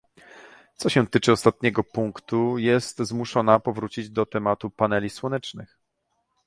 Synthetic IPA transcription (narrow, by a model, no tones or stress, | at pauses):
t̪sɔɕɛ̃t̪ɘt͡ʂɘɔst̪at̪̚ɲɛɡɔpuŋkt̪ujɛst̪zmuʂɔnapɔvɾut͡ɕid͡ʑd̪ɔt̪ɛmat̪upanɛlʲiswɔnɛt͡ʂnɘ̰x